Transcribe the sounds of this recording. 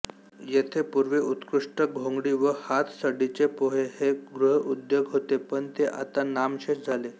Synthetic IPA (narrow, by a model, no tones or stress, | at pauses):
jet̪ʰepuɾʋeut̪kɾuʂʈəɡʱõŋɡɽiːʋəhat̪ʰsəɽit͡ɕepoɦeheɡɾuɦud̪joɡɦot̪epəɳt̪eʔa̰t̪anamɕesd͡zʱale